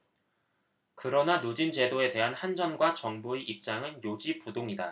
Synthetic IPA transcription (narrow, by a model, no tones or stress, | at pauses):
kɯɾʌnanod͡ʑind͡ʑe̞doe̞de̞ɦanhand͡ʑʌnɡwat͡ɕʌŋbueʔip̚t͡ɕ͈aŋɯnjod͡ʑipudoŋida